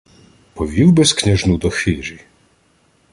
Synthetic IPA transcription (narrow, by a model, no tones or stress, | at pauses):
pɔvʲiwbɛskɲʲɛʒnud̪ɔxfʲiɾi